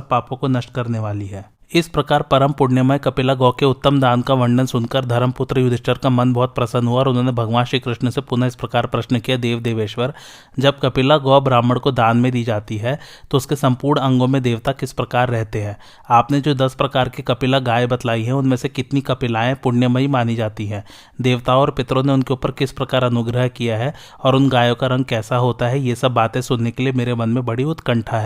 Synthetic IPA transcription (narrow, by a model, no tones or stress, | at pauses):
paːpõkonɐʃʈkɐɾneʋaːliɦɛː | ɪspɾɐkaːɾpɐɾəmpʊɽnjəmakɐpɪlaɡɔːkeʊt̪ːəmd̪aːnkaʋɐ̃ɳɖənsʊnkəɾd̪ʱɐɾəmpʊt̪ɾəjʊd̪ʱɪʃʈəɾkamɐnbɔɦːʊt̪̚pɾɐsə̃nd̪ɦuaɔːɾʊnɦõːnebʱɐɡʋãːnʃiːkɾɪʃnsepʊnaɪspɾɐkaːɾpɾɐʃnkijad̪eːʋd̪eːʋeːʃʋəɾ | d͡ʒɐb̚kɐpɪlaɡɔːbɾaːməɽkod̪aːnmẽd̪iːd͡ʒaːt̪iɦɛːt̪oʊskesɐ̃mpuːɾɳɐ̃ŋɡõmẽd̪eːʋt̪akɪspɾɐkaːɾːɛɦt̪eɦɛ̃ː | aːpned͡ʒoːd̪ɐspɾɐkaːɾkikɐpɪlaɡaːjebɐt̪laːiɦɛ̃ʊnmẽsekɪt̪nikɐpɪlaːẽpʊɽnjəmẽɦimaːnid͡ʒaːt̪iɦɛ̃ː | d̪eːʋt̪aɔːɾpɪt̪ɾõneʊnkeuːpəɾkɪspɾɐkaːɾɐnʊɡɾəɦkijaɦɛ | ɔːɾʊnɡaːjõkaɾɐ̃ŋɡ̚kɛːsaɦoːt̪aɦɛjesɐbːaːt̪ẽsʊnːekeliemeːɾemɐ̃nmẽbɐɽiʊt̪kə̃ɳʈʰaɦɛː